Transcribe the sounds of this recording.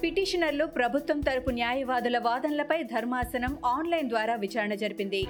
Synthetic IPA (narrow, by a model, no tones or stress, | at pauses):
piʈiːʂɐnɐɾluːpɾɐbʱut̪ʋɐmt̪ɐɾupunjaːjɐʋaːd̪ulɐʋaːd̪ɐnɐlɐpɐjd̪ʱɐɾmaːsɐnɐmaːnlɐjnd̪ʋaːɾaːʋit͡ʃaːɾɐɳɐd͡ʒɐɾipind̪i